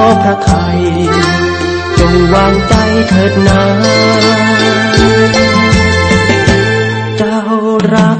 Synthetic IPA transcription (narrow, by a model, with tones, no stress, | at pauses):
pʰɾa˧t̪ʰa˧j | t͡ɕo˧˩ŋwaː˧ŋt͡ɕa˧˩jt̪ʰɤː˨˩t̪̚na˧ | t͡ɕa˧˥ | wɾa˦˥